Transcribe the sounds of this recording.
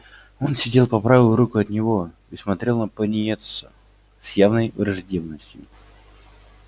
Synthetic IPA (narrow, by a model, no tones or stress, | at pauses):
o̞nsʲɪdʲe̞lˠpɐpɾavʲɪlˠɾukʊɐt̪nʲɪvo̞ | ismɐt̪ɾʲe̞lˠnəpənʲɪet̪sʊ | sjavnəjɾɐʐdʲevnəsʲtʲjʊ̰